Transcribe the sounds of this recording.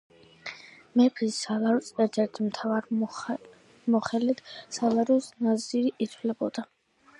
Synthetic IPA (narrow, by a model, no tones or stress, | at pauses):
mɛpʰisalaɾusɛɾt̪ʰɛɾt̪ʰimt̪ʰavaɾ | mɔχɛlit̪ʰsalaɾusnaziɾiʔit̪ʰlɛbɔd̪̥a